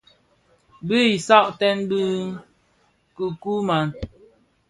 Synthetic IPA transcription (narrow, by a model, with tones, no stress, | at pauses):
bə˦i˨sa˦ʔtɛ˦nbi˦ | ku˨ku˦ma˨n